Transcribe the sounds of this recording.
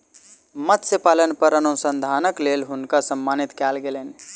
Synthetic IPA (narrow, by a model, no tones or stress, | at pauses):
mət̪səpalənpəɾənusənd̪ʱanəklelɦunkasəmːanit̪kɛlɡelen